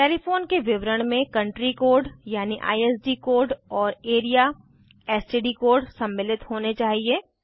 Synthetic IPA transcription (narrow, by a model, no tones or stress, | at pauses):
ʈeːlifoːnkeʋɪʋɾəɽ̃mẽkɐ̃ɳʈɾikoːɾɖjaːniʔa̰ːieːsɖiːkoːɾɖɔːɾeːɾija | ɛːsʈiːɖikoːɾɖsɐ̃mːɪlɪt̪ɦoːnet͡ʃaːɦieː